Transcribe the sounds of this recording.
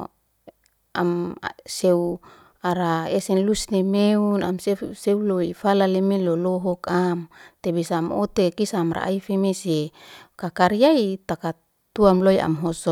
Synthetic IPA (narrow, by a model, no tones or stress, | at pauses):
a̰mseu | aɾaesɛnlusnemeunamseseuloifalalemeloloɦɔkamt̪ebisaːmo̰t̪ekisaːmɾa̰ʔa̰ifemesekakaɾiait̪aka | t̪uamloiʔa̰mɦɔsɔ